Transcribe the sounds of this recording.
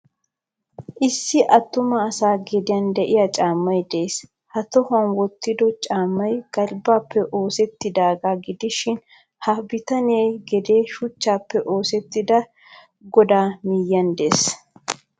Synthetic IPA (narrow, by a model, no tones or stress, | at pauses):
ʔɪsːɪʔɐt̪ːʊmɐːsaːɡɛd̪ɪjɐnd̪ɛʔɪjɐt͡ʃʼaːmːɐjd̪es | hɐt̪ɔhɐnwɔt̪ːɪd̪ɔt͡ʃʼaːmːɐjɡ̥ɐɾbaːpːɛʔo̞ːsɛt̪ːɪd̪aːɡaːɡɪd̪ɪʃɪn | hɐbɪt̪ɐneːɡɛd̪eːʃʊt͡ʃːaːpːɛʔo̞ːsɛt̪ːɪd̪ɐ | ɡɔd̪aːmɪjːɐnd̪eːs